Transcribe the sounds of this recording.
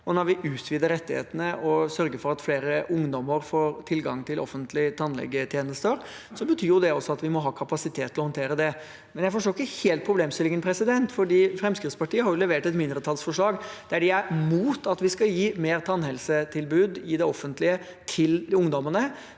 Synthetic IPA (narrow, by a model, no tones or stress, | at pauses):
ɔnɔɾʋɪʔʉːt̪ʰʋiːd̪əɾɛt̪ːɪhḛːt̪ənəʔɔsœɾɡəfɔɾɑt̪fleːɾəʊŋd̪ɔmːəɾfoːɾt̪ʰɪlɡɑŋt̪ʰɪlʔɔ̰fːənt̪ʰlɪt̪ʰɑnlɛ̰ɡːət̪ʰjeːnəst̪əɾ | sɔbət̪ʰyːɾjʊd̪ɛɔsɔɑt̪ʋɪmɔɦɑːkʰɑpɑsɪt̪ʰeːt̪ʰːɪlɔhɔnt̪ʰeːɾəd̪ɛ | mɛnjæɪfɔʂʈoːɪkːəheːlt̪̚pʰɾʊbleːmst̪ɪlɪŋənpʰɾɛsɪd̪ɛnt̪fɔɖiːfɾɛmskɾɪt̪spɑʈiːəhɑɾjʊlɛʋeːʈɛt̪mɪnd̪ɾət̪ʰɑlsfɔʂɭɑːɡd̪̥æɖɛæmuːt̪ʰɑt̪ʋɪskɑjiːmeːɾt̪ʰɑnhɛlsət̪ʰɪlbʉːd̪ɪd̪ɛɔfːənt̪lɪə | t̪ʰɪlʊŋd̪ɔmənə